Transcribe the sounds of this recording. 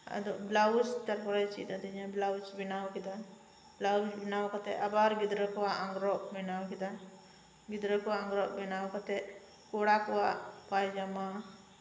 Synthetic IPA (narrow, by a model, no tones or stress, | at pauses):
a̰d̪ɔʔblawut͡ʃt̪aɾpɔɾat͡ʃḭt̪ad̪ɛd͡ʒãblawut͡ʃbinawkid̪an | blawut͡ʃbinawkɔt̪ɛʔabaɾɡid̪ɾəkɔwaʔaŋɡɾɔʔbɛnawkid̪an | ɡid̪ɾəkɔwaaŋɡɾɔʔbɛnawkɔt̪ɛʔ | kɔɽakɔwaʔpajd͡ʒama